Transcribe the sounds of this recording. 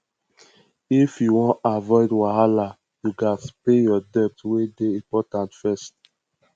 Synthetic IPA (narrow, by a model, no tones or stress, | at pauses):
ifjuwɔ̃avɔɪdwaɦala | juɡaspejɔdɛp̚twedeĩpɔtãntfɛst